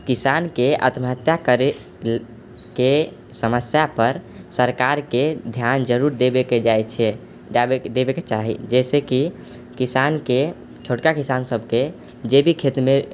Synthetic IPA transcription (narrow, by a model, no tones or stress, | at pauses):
kisankeʔə̰t̪məɦət̪jakəɾe | ke | səməsjapəɾ | səɾkaɾked̪ʱjand͡ʒəɾuɾd̪ebeked͡ʒajt͡ʃʰɛ | d͡ʒaed̪ebeket͡ʃaɦḭd͡ʒɛseki | kisanke | t͡ʃʰoʈkakisansəbʱke | d͡ʒebʱikʰet̪me